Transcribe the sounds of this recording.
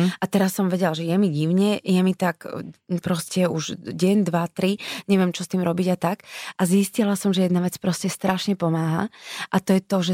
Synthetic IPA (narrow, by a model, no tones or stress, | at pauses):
ʔat̪ɛɾasːɔmʋɛɟɛlʒɛjɛmiɟiʊɲɛjɛmit̪aɡpɾɔscɛuʒɟɛɲd̪ʋat̪ɾiɲɛʋɪɛmt͡ʃɔst̪iːmɾɔbiɟat̪akʔaziscilasɔmʒɛjɛd̪naʋɛt͡spɾɔscɛst̪ɾaʃɲɛpɔmaːɦa̰ʔat̪ɔjɛt̪ɔʒɛ